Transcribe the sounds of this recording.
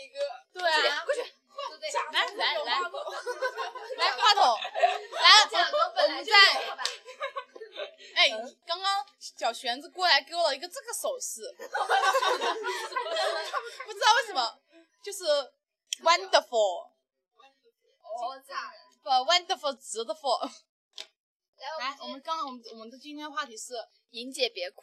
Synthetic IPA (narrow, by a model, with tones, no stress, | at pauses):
t̪we˥˩ɪ | la˧˥la˧˥˧la˧˥˧ | la˧˥ɪkʰwa˥˩t̪ʰo˨˩˦la˧˥ɪ˧˥t̪ʰʊ˧˥ŋt͡sa˥˩ɪ | e˥˩ɪni˨˩kɑ˥ŋkɑ˥ŋɕjɑ˨˩ʊɕɥɛ˧˥nd͡zɹ̩˧kwɔ˥˩la˧˥ɪke˧˥ɪwɔ˨˩lə˩i˧˥ɡə˧ʈ͡ʂɤ˥˩ɡə˩ʂo˨˩ʊʂɹ̩˥˩˥ | pu˥˩ʈ͡ʂ̩˥d̪ɑ˥˧ʊwe˥˩ʂə˧˥mə˧ | t͡ɕjo˥˧ʊʂɻ̩˥˩ | wa˥nd̪ə˧˩fɔ˨˥˩ | fə˧wa˥nd̪ə˧˩fɔ˥˩t͡sɹ̩˧˥d̪ə˧fɔ˥˩˧ | a˥˩wɔ˨˩mə˦nkɑ˥ŋkɑ˥ŋwɔ˨˩mə˦nwɔ˨˩mə˦nd̪ə˧t͡ɕi˥nt̪ʰjɛ˥nd̪ə˧xwa˥˩t̪ʰi˧˥ʂɻ̩˥˩ | i˧˥nt͡ɕjɛ˨˩pjɛ˧˥kʰ